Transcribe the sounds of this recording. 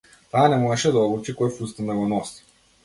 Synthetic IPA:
t̪aːnɛmɔɛʃɛd̪aɔbut͡ʃikɔjfust̪and̪aɡɔnɔsi̥

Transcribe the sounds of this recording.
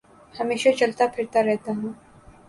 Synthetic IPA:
hɐmeːʃat͡ʃɐlt̪apʰɪɾt̪aɾɛɦt̪aɦũː

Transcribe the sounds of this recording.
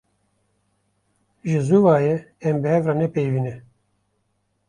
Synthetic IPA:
ʒɨzuvaːjɛ | ɛmbɨhɛvraːnɛpejviːnɛ

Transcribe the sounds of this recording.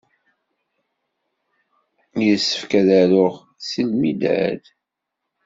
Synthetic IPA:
jəsːə̥fkæðæɾʊʁ | silmid̪æ̰d

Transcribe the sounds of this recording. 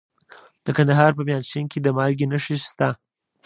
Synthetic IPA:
d̪̥əkand̪aɦɑɾpəmjɑnʃinked̪əmɑlɡenəʃist̪a

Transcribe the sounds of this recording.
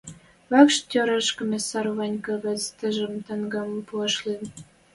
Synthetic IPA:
βɑkʃt̪ʲøɾəʃkə̆mʲesɑɾβɑnʲkɑ̆ɣə̆t͡st̪ə̆ʒə̆mt̪ɑŋɡɑmpuɑʃlen

